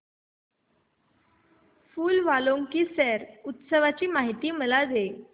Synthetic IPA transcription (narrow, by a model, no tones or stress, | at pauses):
fuːlʋaloŋkiːsɛɾut̪səʋat͡ɕiːmaɦit̪iːməlad͡ze